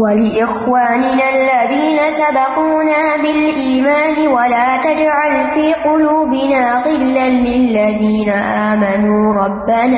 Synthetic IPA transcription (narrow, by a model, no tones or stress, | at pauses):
walɪʔɪxwaːnɪnalːaðiːnasabɑquːnaːbɪlʔiːmaːnɪwalaːt̪ad͡ʒʕalfiːqʊluːbɪnaːɣɪlːanlɪlːaðiːnaʔaːmanuːɾˤɑbːanaː